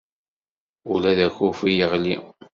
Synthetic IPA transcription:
ulæðæçufijəʁlḭ

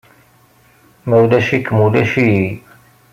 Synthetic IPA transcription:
mæwlæʃikːmulæʃi

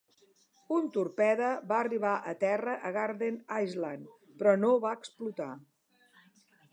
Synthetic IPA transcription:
unt̪uɾpɛðəβaəriβ̞aʔət̪ɛrəʔəɣaɾðenajzlan | pɾɔnoβaəksplut̪a

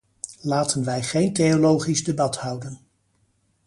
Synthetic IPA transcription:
laːtənʋɛjχejntejolowχizdebɑthʌwdən

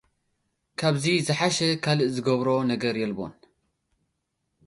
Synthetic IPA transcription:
kʰɐbzizɨħaʃɛkʰɐlɨzɨɡoβɾoːnɐɡɐɾjɛlbo̰ːn

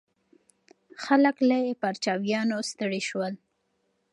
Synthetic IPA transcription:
xaləklajepaɾt͡ʃɑwjɑnost̪əɽiʃwəl

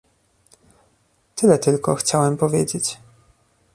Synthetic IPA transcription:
t̪ɘlɛt̪ɘlkɔxt͡ɕawɛmpɔvʲjed͡ʑet͡ɕ

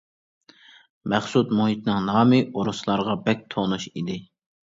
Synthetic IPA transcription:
mɛχsut̪muhit̪nɨŋnɑːmɪʔoɾuslˠɑɾʁɑbɛk̚ʲt̪ʰonuʃid̪ɪ

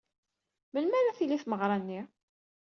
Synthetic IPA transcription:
mənmæɾæθiliθməʁɾˤɑnːi

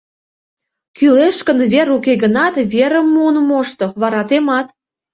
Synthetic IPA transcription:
kyleʃkə̆nβeɾukeɣə̆nɑt̪βʲeɾə̆mːonmoʃt̪oβɑɾɑt̪emɑt̪

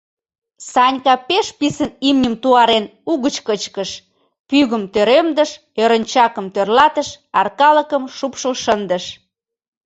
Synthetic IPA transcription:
sɑnʲkɑpeʃpisənimnʲəmt̪uɑɾenuɣət͡ɕkət͡ɕkəʃ | pyɣəmt̪øɾemd̪ə̆ʃ | øɾə̆nʲt͡ɕɑkəmt̪ørlɑt̪əʃɑ̰rkɑlə̆kəmʃupʃəlʃənd̪ə̆ʃ

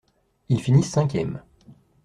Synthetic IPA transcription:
ilfinisːɛ̃kʲjɛm

